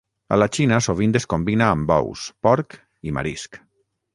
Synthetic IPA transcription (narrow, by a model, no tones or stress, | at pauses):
a̰lat͡ʃinasoβind̪eskombinaːmbɔ̰wspɔɾk | ima̰ɾisk